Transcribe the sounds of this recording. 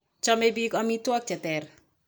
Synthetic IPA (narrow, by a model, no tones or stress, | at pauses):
t͡ʃɔmebikɔmitwɔk̚d͡ʒat̪ɛr